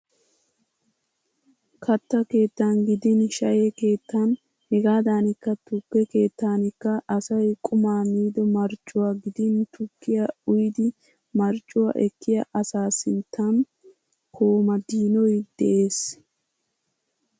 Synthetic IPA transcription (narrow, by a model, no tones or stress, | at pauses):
kʰɐt̪ːɐke̞ːt̪ːaːnɡɪd̪ɪnʃɐjeke̞ːt̪ːan | hɛɡaːd̪aːnɪkːɐt̪ʊɡːɛke̞ːt̪ːaːnɪkːɐʔɐsɐjkʼʊmaːmiːd̪ɔmɐɾt͡ʃʼːʊwaːɡɪd̪ɪnt̪ʊkːɪjɐʊjd̪ɪ | mɐɾt͡ʃʼːʊwa̰ʔɛkːɪjɐʔɐsaːsɪnt̪ʰːan | kʰo̞ːmɐd̪iːnɔjd̪̥ɛʔe̞ːs